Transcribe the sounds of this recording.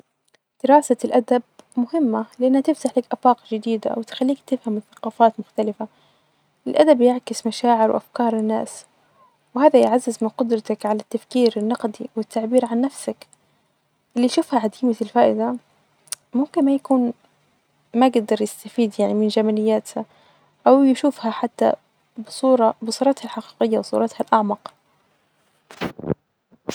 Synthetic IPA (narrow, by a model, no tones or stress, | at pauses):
d̪̥ɪɾɑːsalʔad̪ab̚mʊhɪmːalɪʔanːhat̪ɪft̪aħlakʔafɑːqʒɪd̪iːd̪a̰wɪt̪xalːiːkt̪ɪfhamɪθḁqɑːfaːt̪mʊxt̪alɪfa | ʔɪlʔad̪abjɪʕkɪsmaʃaːʕɪɾwʔa̰fkɑːɾˤɪnːa̰ːs | whaːðajʕazːɪzmɪnqʊd̪ɾˤɑt̪akʕalat̪ːafkiːɾɪnːɑqd̪iwɪt̪ːaʕbiːɾʕanːafsak | ʔɪlːiʃuːfhaʕad̪iːmaɪlfaːʔɪd̪a | mʊmkɪnmajakuːn | maɡd̪ɑɾˤjɪst̪afiːd̪jaʕnimɪnd͡ʒamalɪjːaːt̪ha | ʔawjʃuːfhaħat̪ːa̰ | bsˤuːɾˤɑbɨsˤuːɾˤɑt̪halħaqiːqɪjːawsˤṵːɾˤɑt̪halʔaʕmɑq